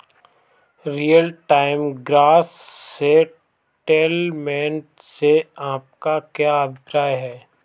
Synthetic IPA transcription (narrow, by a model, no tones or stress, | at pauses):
ɾijəlʈaːɪmɡɾaːssːe | ʈeːlmɛ̃ːɳʈ | seaːp̚kakjaəbʱɪkɾaːjɦɛː